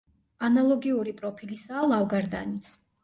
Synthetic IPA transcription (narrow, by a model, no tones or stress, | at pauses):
analˠɔɡiuɾipʼɾɔpʰilisaːlˠavɡaɾd̪a̰nit̪sʰ